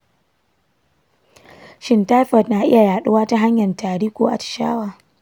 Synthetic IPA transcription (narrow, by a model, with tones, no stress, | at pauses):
ʃɪ˦ntaː˦ɸɔ˨tna˨ʔɪ̰˦ja˨jaː˨ɗʊ˦waː˦ta˦ɦa˦ɲjɐ˨ntaː˨ɾiː˦kʷo̰ː˦ʔa̰˨t͡ʃɪ̥˨ʃa̰ː˦waː˨